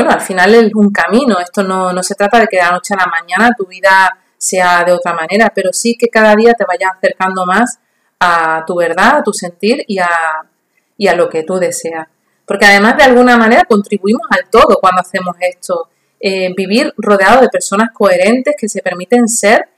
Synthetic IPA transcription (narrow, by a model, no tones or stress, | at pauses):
bwenoalfinale̞suŋkamĩno̞e̞st̪o̞no̞no̞se̞t̪ɾat̪að̞e̞keelano̞t͡ʃealamãɲãnat̪uβ̞iða | se̞aðeo̞t̪ɾamãne̞ɾape̞ɾo̞sike̞kaðaðiat̪e̞β̞aʝasaθe̞ɾkand̪omas | at̪uβe̞ɾðat̪use̞nt̪iɾia | ialo̞ke̞t̪uðe̞se̞a | po̞ɾke̞aðe̞maɦðealɣ̞unamãne̞ɾako̞nt̪ɾiβuimo̞salt̪o̞ðo̞kwand̪oaθe̞mo̞se̞st̪o̞ | ebiβ̞iɾro̞ð̞eaðoðe̞pe̞ɾso̞nahko̞e̞ɾe̞nt̪e̞hke̞se̞pe̞ɾmit̪e̞nse̞ɾ